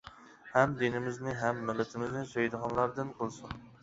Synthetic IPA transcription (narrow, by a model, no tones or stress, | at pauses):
hɛmd̪enɪmɪznɪɦɛmːɪlːɪt̪ʰɪmɪznɪsøjd̪əʁɑnlˠɑɾd̪ɨnqʰəlˠsun